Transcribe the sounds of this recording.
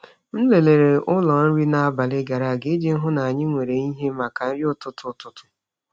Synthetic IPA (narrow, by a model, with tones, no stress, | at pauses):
n̩˦le˨le˨ɾe˨ʔʊ˦lɔ˨n̩˦ɾi˦na˨a˦˨ba˨lɪ˦ɡa˨ɾa˨ɡɪ˦d͡ʒe˦n̩˦ɦʊ˦na˨a˨ɲɪ˦ŋʷe˨ɾe˨i˦ɦe˦ma˨ka˨n̩˦ɾjʊ˦tʊ˦tʊ˦tʊ˦tʊ̥˦